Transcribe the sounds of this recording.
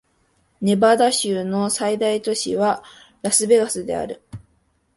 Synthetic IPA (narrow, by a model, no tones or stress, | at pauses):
ne̞bad̪aɕɨːno̞said̪ait̪o̞ɕḭβa | ɾasɨbe̞ɡasɨd̪e̞̰a̰ɾɯ̟